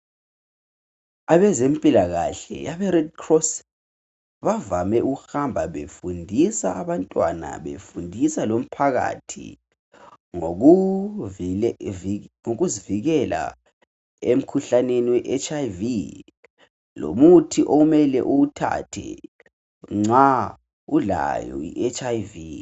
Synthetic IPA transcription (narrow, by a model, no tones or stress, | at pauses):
aβɛzempʼilaɣa̰ɬɛ̰jaβɛrɛdkʰrɔs | βavamɛʔuɣuxambʱaβefundʱisaːβantʼwa̰na̰βḛfundʱisalom̩pʰaɣa̰tʰḭ | ŋo | ŋoɣuziviɣɛla̰ | em̩kʰuɬaneniwɛʔɛt͡ʃavi | lo̰mutʰiʔoumɛlɛ̰ʔuutʰa̰tʰɛ̰ | ŋ͡ǀa | ula̰jɔ̰ḭʔɛt͡ʃʼajvi